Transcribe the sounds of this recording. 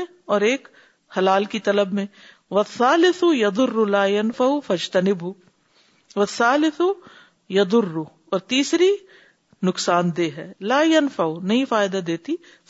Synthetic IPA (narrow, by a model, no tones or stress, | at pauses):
ɔːɾeːk | hɐlaːlkit̪ɐləbmẽ | ʋɐθːaːlɪθʊjɐd̪ʊrːʊlaːjɐnfɐʊfɐd͡ʒt̪ɐnɪbɦʊ | ʋɐθːaːlɪθu | jɐd̪ʊrːʊ | ɔːɾt̪iːsɾi | nʊksaːnd̪eːɦɛːlaːjɐnfɐʊnɐɦĩfaːjɪd̪ad̪eːt̪i